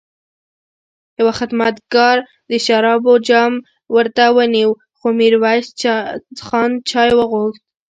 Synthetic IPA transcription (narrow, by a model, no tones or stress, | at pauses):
jawaxɪd̪mat̪ɡɑɾ | d̪əʃaɾɑbod͡ʒɑm | wəɾt̪awəniw | xomiɾwa | xɑnt͡ʃɑjwəɣoxt̪̚